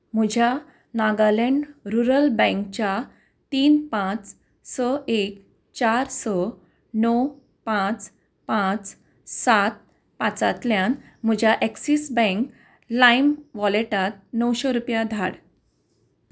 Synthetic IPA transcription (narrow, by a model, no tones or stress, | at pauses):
m̤ud͡ʑʱja | naɡaleɳɖɾuɾəlbɛ̃ŋkt͡ɕja | t̪iːnpãt͡s | səek | t͡ɕaɾsɔ | nɔw | pãt͡s | pãt͡s | sat̪̚ | pat͡sat̪ljãn | m̤əd͡ʑʱjaʔeksisbɛ̃ŋk | laimʋɔleʈat̪̚nəwɕeɾupjad̪ʱaɽ